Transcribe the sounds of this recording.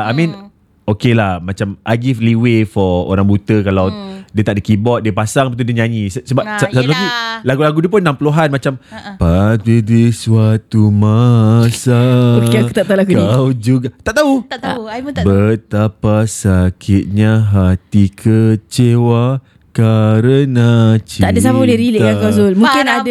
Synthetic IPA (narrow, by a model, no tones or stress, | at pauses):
amĩn | okelahmãt͡ʃamʔaɡifliwefɔo̰ɾaŋbut̪əkalawdiət̪aʔdikibɔt̪̚diəpasaŋpat̪̬udiəɲaɲĩssəbap̚ssat̪ulaɡulaɡulaɡudiəpʊnːãmpuluɦanmat͡ʃampadidiswat̪umasaokau̥t̪aʔt̪aulaɡudaiwd͡ʒuɡat̪aʔt̪au | bət̪apasakʰɪt̪̚ɲaɦat̪ikʰət͡ʃewa | kaɾənat͡ʃiaʔdasamaoleɾileʔkakazolmũŋkɪnad